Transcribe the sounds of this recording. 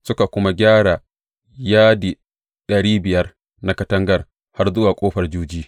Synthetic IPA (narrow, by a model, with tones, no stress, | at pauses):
sʊ˦ka˨kʷʊ˦ma˦ɡʲaː˦ɽa˨ | jaː˦di˨ | ɗɐ˨ɽiː˦bɪ˨jɐ˦r | na˦kɐ˦tɐ˦ŋɡɐ˨r | ha˦rzʊ˦waː˨kʷʼoː˦ɸɐ˨rd͡ʒuː˦d͡ʒiː˦